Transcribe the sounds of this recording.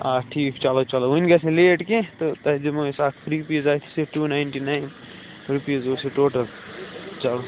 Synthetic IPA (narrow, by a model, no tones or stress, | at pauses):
aːʈʰiːkt͡ʃaːlot͡ʃaloʊnɡɐsẽleːʈkẽt̪ot̪ɐd͡ʒɐmosaːkʰpʰɾiɾpizaːt̪ʰi̥seʈuːnaɪɳʈinaːɪn | ɾupijɐzoːseʈoːʈɐlt͡ʃalo